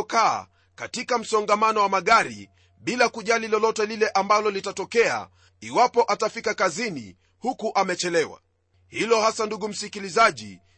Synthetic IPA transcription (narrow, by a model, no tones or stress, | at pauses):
ka̰ː | katikam̩sɔŋɡamanɔwamaɠaɾḭ | ɓilakuʄalilɔlɔtɛlilɛʔambalɔlitatɔkɛa̰ | iwapɔʔatafikakazinḭ | hukuʔamɛt͡ʃɛlɛwa̰ | hilɔhasanduɡum̩sikilizaʄḭ